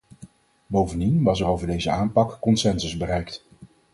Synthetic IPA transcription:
bowvəndinʋɑsɛɹowvəɹdejzəaːnpɑkːɔnsɛnsəzbərɛjkt

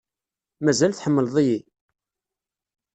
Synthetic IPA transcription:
mæzælθħəmːəlðˤiji

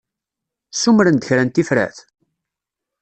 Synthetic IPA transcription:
sumɾənd̪əçɾænt̪ifɾæ̰θ

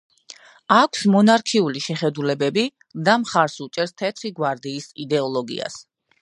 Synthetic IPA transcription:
akʷʰsmɔnaɾkʰiuliʃɛχɛd̪ulɛbɛbi | d̪amχaɾsut͡ʃʼɛɾst̪ʰɛt̪ʰχiɡwaɾd̪iːsid̪ɛɔlˠɔɡḭa̰s

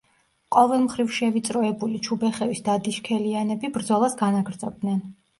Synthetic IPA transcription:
qʼɔvɛlˠmχɾivʃɛvit̪sʼɾɔɛbulit͡ʃʰubɛχɛvisd̪ad̪iʃkʰɛlianɛbibɾd̪zɔlˠasɡanaɡɾd̪zʼɔb̚d̪nɛn

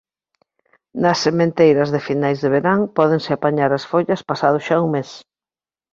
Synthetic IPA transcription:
nɐsːemẽnt̪ejɾɐzðɪfinajzðeβeɾaŋpɔðeŋsɪapaɲaɾɐsfoʎɐspasað̞ʊʃauŋmes

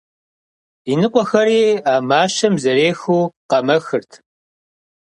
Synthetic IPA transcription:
inɨqʷʼɔxɐɾiːaːmaːʃɐmzɐɾeːxuːqɐmɐxɨrtʰ

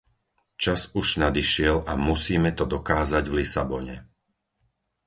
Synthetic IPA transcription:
t͡ʃazuʒnad̪iʃɪɛlamusiːmɛt̪ɔd̪ɔkaːzaɟvlisabɔɲɛ̰

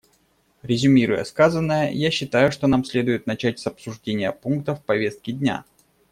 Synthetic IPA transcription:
ɾʲɪzʲʊmʲiɾʊjə̰skazənːəjəjaɕːɪt̪ajʊʂt̪o̞namsʲlʲe̞d̪ʊjɪt̪̚nɐt͡ɕætʲsɐpsʊʐdʲenʲɪjəpunk̚t̪əfpɐvʲe̞st̪̚kʲɪdʲnʲa̰

